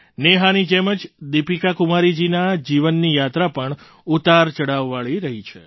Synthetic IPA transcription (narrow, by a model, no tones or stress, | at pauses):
neɦanid͡ʒeməd͡ʒd̪ipikakumaɾid͡ʒinad͡ʒiʋənːijat̪ɾapəɳ | ut̪aɾt͡ʃəɽaʋːaɭiɾəɦit͡ʃʰḛ